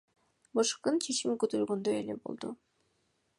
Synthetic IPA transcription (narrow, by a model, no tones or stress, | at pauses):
bɯʃqɯnt͡ʃʰet͡ʃimkøt̪ølɡønd̪øḛlḛbo̞̰lˠd̪u